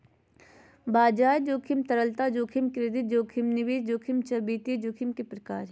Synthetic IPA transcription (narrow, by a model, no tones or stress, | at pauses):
baːd͡ʒaːjd͡ʒoːkʰimt̪ɐɾəlt̪ad͡ʒoːkʰimkɾeːd̪ɪt̪̚d͡ʒoːkʰimnɪʋeːd͡ʒd͡ʒoːkʰimt͡ʃɐbiːt̪ed͡ʒoːkʰimkepɾɐkaːɾ